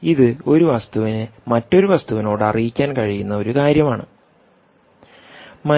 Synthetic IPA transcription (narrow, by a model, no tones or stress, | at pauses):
iðɨo̞ɾuʋɐst̪uʋinɨmɐtːo̞ɾuʋɐst̪uʋino̞ːɽɨɐ̰rijikʲːaːnkɐɻijunːɐo̞ɾukaːɾjɐmaːɳɨ̰ | mɐ